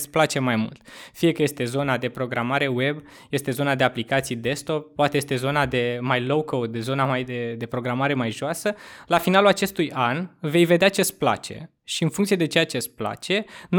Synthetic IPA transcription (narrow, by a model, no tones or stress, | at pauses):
splat͡ʃe̞majmṵlt̪fije̞kəje̞st̪e̞zo̞nad̪e̞pɾo̞ɡɾamaɾe̞we̞b | je̞st̪e̞zo̞nad̪e̞aplikat̪sijd̪e̞st̪o̞p̚pːoat̪eje̞st̪ezo̞nad̪e̞majlowkowud̪zo̞namajd̪ed̪e̞pɾo̞ɡɾamaɾe̞majʒoasəlafinalulat͡ʃe̞st̪ujanve̞jve̞d̪eat͡ʃespla̰t͡ʃe̞̰ | ʃiɨnfuŋkt̪sied̪e̞t͡ʃeat͡ʃe̞spla̰t͡ʃe̞n